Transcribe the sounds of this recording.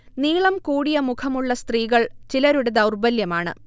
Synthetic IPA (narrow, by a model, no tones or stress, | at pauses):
niːɭɐmkuːɽijɐmukʰɐmuɭːɐst̪riːɣɐɭt͡ɕilɐɾuɽɐd̪ɐwrbɐljɐmaːɳɨ̰